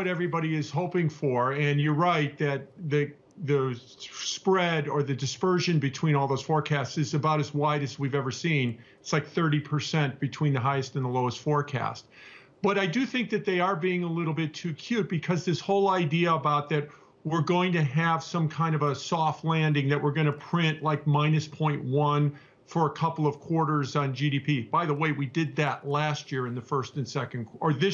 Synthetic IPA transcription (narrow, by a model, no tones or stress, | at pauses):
ʌɾɛvɹibɑɾiɪz̥ɦoʊpɪ̃ŋfə˞ɨ̃njəɹaɪt̪̚ðɨt̪̚ðɨ | ðɨ | spɹɛɾə˞ðɨdɨspɜ˞ʒɨ̃nbɨtʰw̥ĩnɔlˠðoʊz̥fɔɹkʰæstsɨzɨbaʊɾɨzwaɪɾɨzwivɛvə˞sĩn | ɪtslaɪk̚θɜ˞ɾipʰə˞sɛ̃nb̥ɨtʰw̥ĩnðɨɦaɪɨstn̩ðəloʊəstfɔɹkʰæ̰st̚ | b̥ʌɾaɪdɨθɪ̃ŋk̚ðɨt̪̚ðeɪə˞biɪ̃ŋəlɪɾl̩ˠbɪtʰʉkʰj̥ʉt̚b̥ɨkʰʌzðɪshoʊlˠaɪdiɨəbaʊt̪̚ðɨt̚ | wɪɹɡoʊɪ̃ŋtɨɨv̥sʌ̃mkʰãɪ̃ndʌvəsɔftˡlæ̃ndɪ̃ŋðɨʔ̚wɪɹɡʌɾ̃ñɨpʰɹ̥ɪ̃nʔlaɪk̚mãɪ̃nɨspʰɔ̃ɪ̃nʔwʌ̃n | fə˞əkʰʌpl̩ˠʌv̥kʰw̥ɔɹɾə˞zn̩d͡ʒiɾipʰib̥aɪðəweɪwidɨd̪̚ðɨʔˡlæst̚jɪɹɨ̃nðɨfɜ˞stɨ̃nsɛkɨ̃n̩kə˞ðɪ